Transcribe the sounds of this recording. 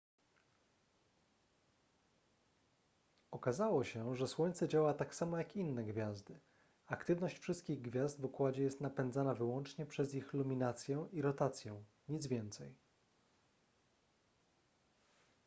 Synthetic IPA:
ɔkazawɔɕɛʐɛswɔɲt̪sɛd͡ʑawat̪aksamɔjakinːɛɡvʲjazd̪ɘ | akt̪ɘvnɔɕt͡ɕfʂɘst̪̚kʲiɣɡvʲjazd̪vukwad͡ʑɛjɛst̪napɛnd̪zanavɘwɔnt͡ʂɲɛpʂɛzixlumʲinat̪sʲjɛʔiɾɔt̪at̪sʲjɛ̃ | ɲid̪zvʲjɛnt̪sɛj

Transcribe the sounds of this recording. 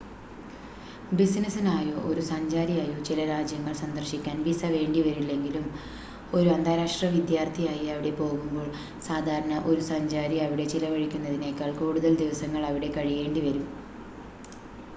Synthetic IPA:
bisnɐsinaːjoʔoɾusɐɲd͡ʑaːɾijaːjoːt͡ɕilɐɾaːd͡ʑjɐŋːɐɭsɐnd̪ɐrɕikʲːaːnbisɐʋe̞ːɳɖiʋɐɾilːe̞ŋɡilum | o̞ɾuɐnd̪ʰʱaːɾaːʂʈrɐʋid̪jaːrt̪ʰijaːjiɐʋiɽe̞po̞ːɣumbo̞ːɭ | saːd̪ʱaːɾɐɳɐʔo̞ɾusɐɲd͡ʑaːɾiɐʋiɽe̞t͡ɕilɐʋɐɻikʲːunːɐðine̞kːaːɭkuːɽuðɐld̪iʋɐsɐŋːɐɭɐʋiɽe̞kɐɻije̞ːɳɖiʋɐɾum

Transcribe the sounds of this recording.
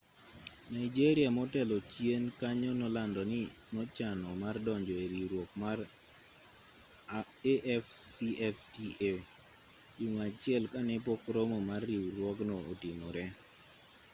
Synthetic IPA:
naid͡ʒeɾiamɔtɛlɔt͡ʃjenkaɲɔnɔlandɔnɪnɔt͡ʃanɔmardɔɲd͡ʒɔeɾiɾwok̚mar | eʔɛfsiɛftie | juŋat͡ʃɪɛlkanɛp̬ɔkɾomɔmarːiwɾwɔɡnɔotinoɾɛ

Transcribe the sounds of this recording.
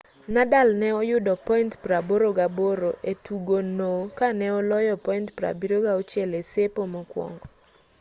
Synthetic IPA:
nadalnɛɔjʊdɔpɔintpɾaboɾoɡaboɾoʔetʰuɡonokanɛɔlɔjɔpɔintpɾa̰biɾoɡaɔt͡ʃjɛlesepomɔkwɔ̰ŋɡɔ

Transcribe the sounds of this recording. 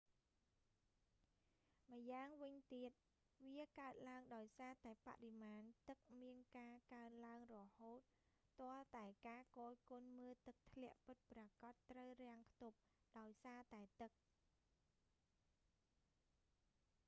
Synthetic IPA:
məjaːŋʋɨɲt̪iət̪̚ | ʋiəkaət̪̚laəŋɗaɔjsaːt̪aɛpa̰ʔrimaːnt̪ɨk̚miənkaːkaənlaəŋrɔhoːt̪̚ː | ŏəlt̪aɛkaːkoːjkoənməːt̪ɨk̚t̪ʰlɛ̆əʔpɨt̪̚prɑkɑt̪ːrəwrɛ̆əŋpʰt̪up̚ | ɗaɔjsaːt̪aɛt̪ɨk̚

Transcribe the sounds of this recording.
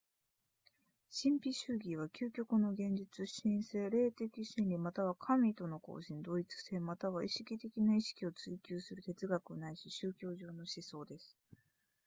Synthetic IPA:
ɕĩmpʲiɕɨːɡʲiβ̞akʲʰɨːkʲo̞kɯ̟no̞ɡẽ̞ɲ̟d͡ʑit͡sɨɕĩɰ̃se̞ːɾe̞ːt̪e̞kʲiɕĩnɾʲimat̪aβ̞akʰamʲit̪o̞no̞ko̞̰ːɕĩnd̪o̞it͡sɨ̥se̞ːmat̪aβaiɕi̥kʲit̪e̞kʲinaiɕi̥kʲio̞t͡sɨikʲɨːsɨɾɯ̟t̪e̞t͡sɨɡakɯ̟onaiɕiɕɨːkʲo̞ːʑo̞ːno̞ɕiso̞ːd̪e̞sɨ̥

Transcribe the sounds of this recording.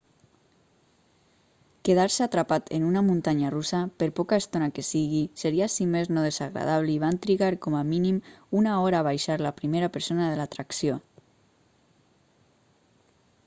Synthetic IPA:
keð̞aɾseat̪ɾapat̪enunamunt̪aɲarusapeɾpɔkaest̪onakesiɣiseɾiasimeznoð̞ezaɣɾa̰ðaβ̞liiβ̞ant̪ɾiɣaɾkɔmaminimunaɔɾaːβajʃaɾlapɾimeɾapəɾsonaðelat̪ɾaksio

